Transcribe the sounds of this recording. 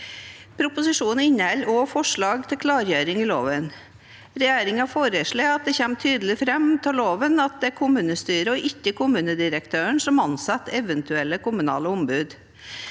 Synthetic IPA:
pʰɾʊpʊsɪʂuːnn̩ɪnːɛlːoːfɔʂɭɑːɡt̪ʰɪlkʰlɑːɾjøːɾɪŋɪlo̰ːʋən | ɾɛjæːɾɪŋɑfoːɾəʂɭeːɑt̪̚d̪ɛçɛmt̪ʰyːd̪əlɪfɾɛmt̪ʰɪloːʋənɑt̪̚d̪ɛæɾkʰʊmʉːnəst̪yːɾəɔʔɪkːəkʰʊmʉːnəd̪ɪɾəkt̪ʰøːəɳsɔmɑnsɑt̪ːɛʋənt̪ʰʉɛlːəkʊmʉnɑ̰ːləʊmbʉːd̪

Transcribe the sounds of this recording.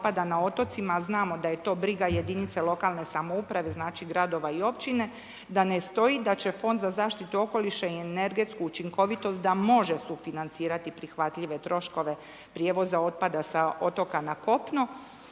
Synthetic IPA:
pad̪anao̞t̪o̞t̪simaznaːmo̞d̪aje̞t̪o̞ːbɾiɡaje̞d̪init̪se̞lˠo̞kaːlˠne̞samoupɾaʋe̞znaːt͡ʃiɡɾad̪o̞ʋaio̞pt͡ʃine̞ | d̪ane̞st̪o̞id̪at͡ɕe̞fo̞nd̪zazaːʃt̪it̪uo̞ko̞liʃeiene̞ɾɡe̞t̪skuut͡ʃiŋko̞ʋit̪o̞st̪̚d̪amo̞ʒe̞sufinant̪siːɾat̪ipɾixʋat̪ʎiʋe̞t̪ɾo̞ʃko̞ʋe̞ | pɾjeːʋo̞zao̞t̪̚pad̪asao̞t̪o̞kanako̞pno

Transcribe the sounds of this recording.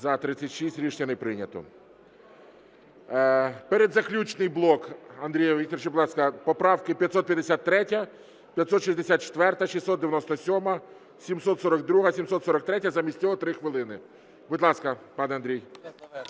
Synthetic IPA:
zɐt̪ɾɪsʲɐtʲʃisʲtʲɾʲiʃnʲɐnɪpɾɪnʲɐt̪ɔ̰ | peɾed̪zɐklʲut͡ʃnɪjblˠɔkɐnd̪ɾʲijɐʋikt̪ɔrt͡ʃɪbʊd̪ˠɑskɐpɔpɾɑwkɪpʲjɐt̪ʲsɔt̪̚pʲjɐd̪esʲat̪ːɾɛtʲɐ | pʲjɐt̪sɔt̪ʃisʲzʲd̪esʲat̪t͡ʃe̥t̪ʋɛrt̪ɐʃisɔd̪d̪eʋʲjɐnɔst̪ɔsʲɔmɐ | sʲimsɔt̪sɔɾɐɡd̪ɾuɦɐsʲimsɔt̪sɔɾɐk̚t̪ɾɛtʲːɐzɐmʲisʲt̪ʲt͡sʲɔɦɔt̪ɾɪxʋɪlˠɪnɪ | bʊd̪ʲlˠɑskɐpɑnɛɐnd̪ɾʲij

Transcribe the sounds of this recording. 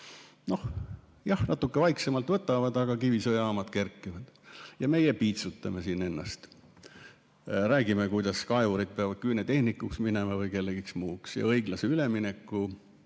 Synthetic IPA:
no̞h | jɑhnɑt̪ːˑukːevɑjksemɑlt̪vɤt̪ːˑɑvɑd̪̥ɑɡ̥ɑkivisojɑɑːmɑd̪̥ke̞rkːˑivɑd̪̥jɑme̞jepiːt̪sut̪ːˑɑmesine̞nːɑ̰st̪ | ɾæːɡ̥imekujd̪̥ɑskɑevuɾid̪̚peɑvɑd̪̚kyjnet̪e̞hnikːˑuksminemɑvɤjke̞lːeɡ̥iksmuːksjɑ̰ɤjɡ̥lɑseyleminekːˑu

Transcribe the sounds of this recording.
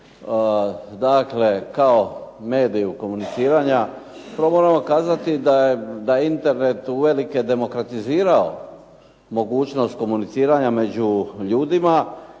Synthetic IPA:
d̪akle̞kaome̞ːd̪ijuko̞munit̪siːɾaɲa | pɾomoːɾamo̞kaːzat̪id̪ajed̪aint̪e̞ɾne̞t̪uʋe̞like̞d̪e̞mo̞kɾat̪iziːɾao | mo̞ɡuːt͡ɕno̞st̪̚ko̞munit̪siːɾaɲame̞d͡ʑuʎuːd̪ima

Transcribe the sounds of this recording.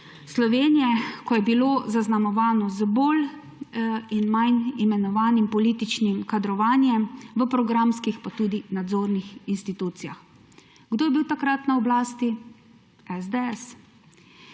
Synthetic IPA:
slɔʋeːnijɛkɔjɛbiloːzaznamɔʋaːnɔzəboːl | inmajnimɛnɔʋaːnimpɔliːt̪it͡ʃnimkad̪ɾɔʋaːnjɛmʋəpɾɔɡɾamskixpat̪uːd̪inad̪zoːɾnixinst̪it̪uːt̪sija̰x | ɡd̪oːjɛbiwt̪akɾat̪naɔblaːst̪i | ɛzd̪eɛs

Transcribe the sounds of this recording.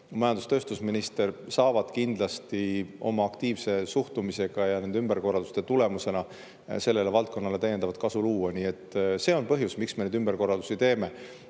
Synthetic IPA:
mɑjɑnd̪ust̪ø̞ːst̪usminist̪e̞rsɑːvɑd̪̥kind̪̥lɑst̪io̞̰mɑɑkt̪iːvse̞suht̪umise̞ɡ̥ɑjɑnenymb̥erko̞rːɑld̪u̥st̪e̞t̪ule̞muse̞nɑ | se̞lːe̞levɑlt̪̚ko̞nːɑle̞t̪æje̞nd̪ɑvɑd̪̚kɑsuluːwɑniːe̞t̪ˑːse̞ːo̞npɤɦjusmiksme̞ned̪ymb̥erko̞rːɑld̪̥u̥sit̪e̞ːme̞

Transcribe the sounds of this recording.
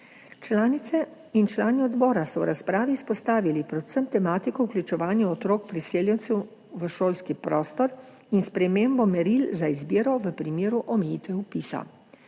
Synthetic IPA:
t͡ʃlaːnit̪sɛ | int͡ʃlaːniɔd̪bɔːɾasɔwɾaspɾaːʋiːspɔst̪aːʋilipɾɛ̥səmt̪ɛmaːt̪ikɔwklʲut͡ʃɛʋaːnjuɔt̪ɾoːkpɾiseːljɛnt̪sɛw | ʋəʃoːlskipɾɔːst̪ɔɾ | inspɾɛmeːmbɔmɛɾilzaizbiːɾɔʋəpɾimeːɾuʔɔmɛjit̪ʋɛupiːsa̰

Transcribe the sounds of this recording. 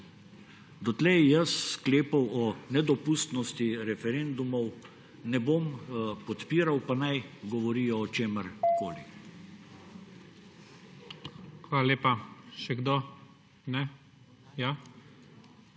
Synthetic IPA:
d̪ɔt̪lɛjjəsːkleːpɐwɔnɛd̪ɔpust̪nɔst̪iɾɛfɛɾeːnd̪umɔw | nɛbompɔt̪piːɾawpanajɡɔʋɔɾiːjɔːt͡ʃeːməɾko̰ːlḭ | xʋaːlaleːpaʃɛɡd̪o | nɛ | ja

